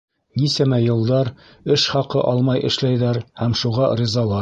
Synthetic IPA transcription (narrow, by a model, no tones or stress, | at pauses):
nisæmæjɤ̆lˠd̪ɑɾ | ɘʃχɑqɤʔɑlˠmɑjʔɘ̰̆ʃlæjðæɾhæmʃuʁɑɾʲizɑlˠɑ